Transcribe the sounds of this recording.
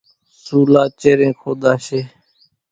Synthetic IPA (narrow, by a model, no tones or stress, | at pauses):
suːlaːt͡ʃeːɾẽːkʰoːd̪aːʃeː